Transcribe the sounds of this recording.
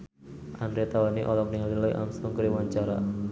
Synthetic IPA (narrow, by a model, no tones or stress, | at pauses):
ʔandɾet̪awaniʔɔlɔk̚nialilɔjʔa̰msɔŋkɾiwaɲt͡ʃaɾa̰